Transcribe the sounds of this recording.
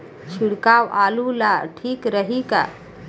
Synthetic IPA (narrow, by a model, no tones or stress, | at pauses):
t͡ʃʰiɽkawalulaʈʰiːkɾəɦika̰